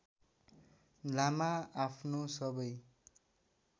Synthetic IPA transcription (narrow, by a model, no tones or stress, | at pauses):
lamaapʰnosʌbʌj